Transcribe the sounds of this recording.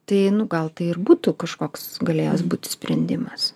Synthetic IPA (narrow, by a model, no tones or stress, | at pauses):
t̪ɐɪnʊɡɐlˠt̪ɐɪɪrbuːt̪ukɐʃkoːksɡɐlʲeːjoːsbuːt̪ʲɪ̥sʲpʲɾʲɛnʲd̪ʲɪmɐs